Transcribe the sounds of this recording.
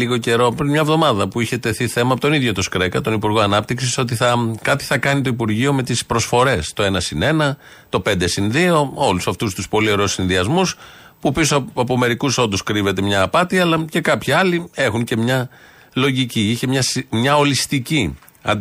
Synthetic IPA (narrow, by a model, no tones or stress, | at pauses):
liɣo̞ce̞ɾo̞pɾinmɲɐvðo̞mɐðɐpuiçe̞t̪e̞θiθe̞mɐpot̪o̞niðʝot̪oskɾe̞kɐt̪o̞nipuɾɣo̞ɐnɐp̚t̪iksiso̞t̪̬iθɐkɐt̪i̥θɐkɐnit̪oipuɾʝio̞me̞t̪ispɾo̞sfo̞ɾe̞st̪o̞e̞nɐsine̞nɐ | t̪o̞pe̞nd̪e̞sinðio̞o̞lusɐft̪ust̪uspo̞lio̞ɾeousinðiɐzmus | pupisoɐpome̞ɾikuso̞t̪uskɾive̞t̪e̞mɲɐːpɐt̪iɐlɐce̞kɐpçiɐlie̞xunce̞mɲɐ | lo̞ʝiciiçe̞mɲɐsmɲɐo̞list̪ici | ɐ̰